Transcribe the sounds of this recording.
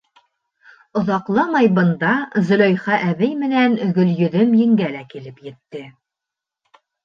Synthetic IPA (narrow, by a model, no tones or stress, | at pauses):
ŏðɑqlˠɑmɑjbɤ̆nd̪ɑzɵ̆lɒjχɑʔæβɘjmɘ̆nænɵ̆ɡɵ̆ljɵ̆ðɵmjɘ̆ŋɡælækilɘpjɘ̆t̪ːɘ